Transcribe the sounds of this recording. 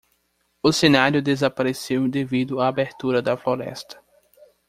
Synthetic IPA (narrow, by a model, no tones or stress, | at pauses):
ʊsenaɾjʊd̪ezapaɾesew̃d̪evid̪ʊaːbeɾt̪uɾɐd̪ɐfloɾɛ̰st̪ɐ̥